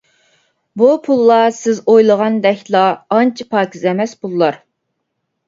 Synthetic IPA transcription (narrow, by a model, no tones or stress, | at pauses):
bupʰulˠːɑsɪzojlˠəʁɑnd̪ɛkʲlˠɑːnt͡ʃʰipʰɑːkʰʲizɛmɛsbulˠːɑɾ